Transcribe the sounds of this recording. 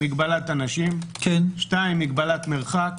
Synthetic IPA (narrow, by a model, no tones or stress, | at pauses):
iɡbalat̪anaʃimkenʃtaimːiɡbalat̪meʁχak